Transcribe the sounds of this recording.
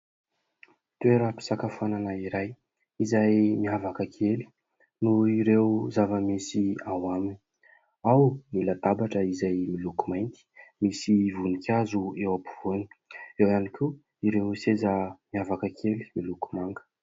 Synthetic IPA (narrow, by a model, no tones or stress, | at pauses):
t̪ueɾəpi̥sakafananəiɾaj | izajmiɦavakəkʰeli̥ | nuiɾewzavəmisiawamini̥ | awnilat̪abaʈ͡ʂəizajmilukumajnt̪i̥misivunikʲazuewapu̥v̥oni̥ewanikʲu | iɾewsezəmiavakəkʰeli̥miluku̥maŋɡə̥